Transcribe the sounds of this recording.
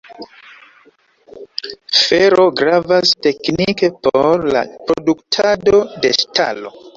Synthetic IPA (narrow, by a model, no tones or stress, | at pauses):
feɾo̞ɡɾavaste̞knike̞poɾla̰pɾoduktʰado̞de̞stʰa̰lo̞̰